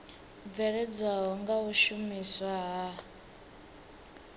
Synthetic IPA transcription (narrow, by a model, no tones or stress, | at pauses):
vɛɾɛd͡zaɦɔŋɡauʃumiswaɦa